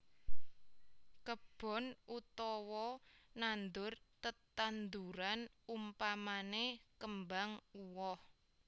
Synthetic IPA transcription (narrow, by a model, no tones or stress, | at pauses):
kəb̥ɔ̤nut̪ɔwɔnand̪ʊrt̪ət̪and̪uɾanumpamanekəmbaŋuwɔh